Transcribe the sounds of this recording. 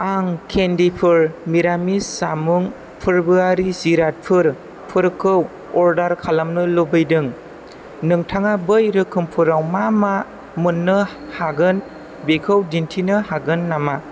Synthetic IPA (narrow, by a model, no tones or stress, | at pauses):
aŋkʰendipʰɯɾmiɾamissamuŋ | pʰɯɾbɯaɾiziɾat̚pʰɯɾ | pʰɯɾkʰɯw | ɔɾdaɾkʰalamnɯlobɯjdɯŋ | nɯŋtʰaŋabɯjɾɯkʰɯmpʰɯɾawmama | mɯnːɯ | haɡɯn | bekʰɯwdintʰinɯhaɡɯnːama